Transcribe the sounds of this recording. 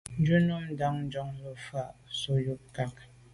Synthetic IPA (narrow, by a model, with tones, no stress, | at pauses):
n̩˦d͡ʒu˦nu˦m̩˦da˦ŋn̩˦d͡ʒɔ˦ŋlə˨fa˦˨ʔso˨ju˦p̚ka˨k̚